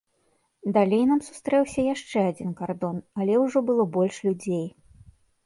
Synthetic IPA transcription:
d̪alʲejnamsu̥st̪ɾɛwsʲɐjaʂt͡ʂɛad͡zʲinkard̪ɔnɐlʲɛwʐɔbɨlˠɔbɔlʲʂlʲud͡zʲej

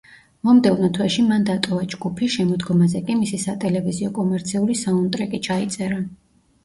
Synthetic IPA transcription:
mɔmd̪ɛvnɔt̪ʰwɛʃimand̪at̪ʼɔvad͡ʒɡupʰiʃɛmɔd̪ɡɔmazɛkʼimisisat̪ʼɛlɛviziɔkʼɔmɛɾt̪sʰiulisaɔnt̪ʼɾɛkʼit͡ʃʰait̪sʼɛɾa

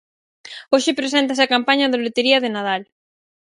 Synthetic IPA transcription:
oʃɪpɾes̬ɛnt̪ɐs̬ɪɐkampaɲɐðɪlet̪eɾiɐðɪnað̞al

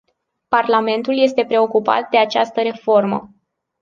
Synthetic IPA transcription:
parlame̞nt̪ulje̞st̪e̞pɾe̞o̞kupa̰t̪̚d̪e̞at͡ʃast̪əɾe̞fo̞rmə

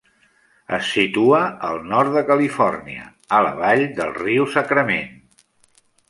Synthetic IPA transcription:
ə̰sːit̪uəəlˠnɔɾt̪̚ðəkəlifɔrniə̰ | ələ̰βaʎd̪əlˠriusəkɾəmen

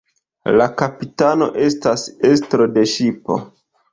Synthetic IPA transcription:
lakapitano̞ʔe̞stasestɾo̞de̞ʃipo̞̰

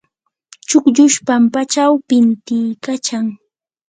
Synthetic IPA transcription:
t͡ʃʊkʎʊʃpampat͡ʃawpɪnt̪ɪjkat͡ʃaŋ

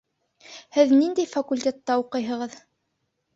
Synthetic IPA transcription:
hɘðnind̪æjfakulʲt̪ʲet̪ːɑuqɤjɦɤ̆ʁɤð

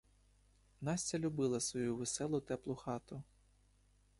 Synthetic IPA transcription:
nɑsʲt͡sʲɐlʲʊbɪlˠɐsʋɔjuʋesɛlˠʊt̪ɛplˠʊxɑt̪ʊ

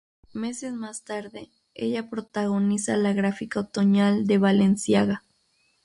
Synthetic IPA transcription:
me̞sesmast̪aɾðe | ḛʎapɾot̪aɣonisalaɣɾafikaot̪oɲald̪eβalensjaɣa

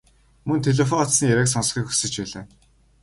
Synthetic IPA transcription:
mɵnt̪ʰeɮɔfɔt̪snijæɾaːksɔnsχiːkxu̥sɘ̆t͡ɕpæːɮɘ̆ː

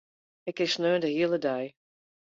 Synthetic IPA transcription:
ɪkɪsnøːndəɦiəlˠədɛj

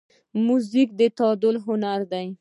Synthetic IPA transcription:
muzik̚d̪ət̪ɑd̪ʊlɦʊnaɾd̪aj

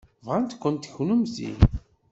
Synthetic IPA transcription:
vʁænt̪kʷːʊnt̪çnumzḭn

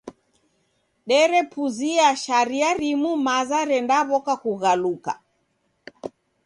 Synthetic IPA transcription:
ɗɛɾɛpuziaʃaɾiaɾimumazaɾɛndaβɔkakuɣaluka̰

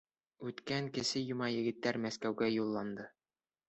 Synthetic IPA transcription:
ʉt̪kæŋkɘ̆ʃɘjŭmɑjɘ̆ɡɘ̆t̪ːæɾmæskæwɡæjulˠːɑnd̪ɤ

